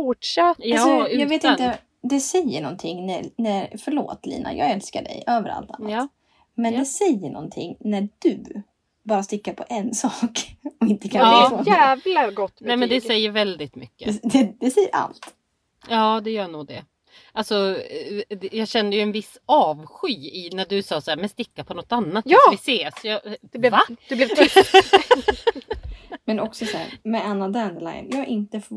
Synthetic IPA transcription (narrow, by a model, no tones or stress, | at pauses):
uʂajɔʉːjɑːɡveːt̪ɪnt̪ə | d̪ɛsɛjːəɳɔnt̪ʰɪŋːnænæɾfœɭo̰ːt̪lḭːna̰jʔɑ̰ːɡɛlska̰ɖɛ̰jʔøːvəɾʔa̰lt̪a̰nː | mɛnd̪ɛsɛjːəɳɔ̰nt̪ʰɪ̰ŋːnæɖʉ | bɑːɾast̪ɪkːaɾpʰɔʔɛnsɑːkɔɪnt̪əkʰaːoævlaɡɔt̪ːnɛmɛnd̪ɛsɛjːəɾvɛld̪ɪt̪mʏ̰kːəd̪ɛd̪ɛsɛjːəɾʔa̰lt̪ | jɑːd̪ɛjœːɳuːɡ̚d̪ɛ | ʔalsɔ | jɑːɡɕɛnd̪əjɵɛnvɪsːɑːvɧyːɪnæɖɵsɑːsaæːɾmɛnst̪ɪkːapʰɔnɔt̪ːanːat̪jːɪseːsjɑd̪̥ɛblɛd̪ɵblɛ | mɛnɔksɔsahæ̰ɾmɛanːad̪anla̰jnjɑːaʔɪnt̪əf